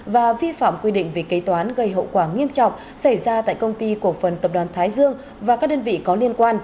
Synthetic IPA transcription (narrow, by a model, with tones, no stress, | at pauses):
vaː˨˩vi˧fa̰ː˧˨mkwi˧ɗḭ̈˧˨ŋ̟vi˨˩kə˨˦jt̪waː˨˦nɣə˧˩jɦə̰˧˨wkwaː˧˩ŋi˧əmt͡ɕɔ̰˧˨wŋ͡m | sa˧˩jzaː˧t̪a̰ː˧˨jkə˧wŋ͡mt̪i˧ku˨˩ək̚fə˨˩nt̪ə˨˩p̚ɗwaː˨˩nt̪ʰaː˨˦jzɨ˧əŋ | vaː˨˩kaː˦˥k̚ɗə˧nvḭ˧˨kɔ˨˦li˧ənkwaː˧n